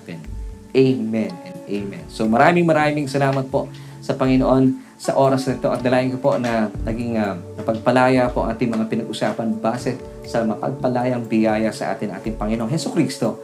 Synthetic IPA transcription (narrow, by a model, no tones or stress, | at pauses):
ɛnʔejmɛnɛnd̪ʔejmɛ̰nsomɐɾaːmɪŋmɐɾaːmɪŋsɐlaːmɐt̪̚po̞ʔ | sɐpɐŋɪnoʔo̞n | sɐʔo̞ːɾɐsnɐɪt̪o̞ʔɐt̪̚d̪ɐlaːʔɪnŋkɐpo̞ʔnɐnɐɡiŋɐnɐpɐɡ̚pɐlaːjɐpoʔɐ̰ŋʔaːt̪ɪŋmɐŋapɪnɐɡʔʊsaːpɐnbaːsɛ | sɐmɐpɐ̰ɡ̚pɐlaːjɐŋbɪjaːjɐsɐ̰ʔa̰ːt̪ɪnʔa̰ːt̪ɪŋpɐŋɪnoʔoŋhɛsukɾiːst̪o̞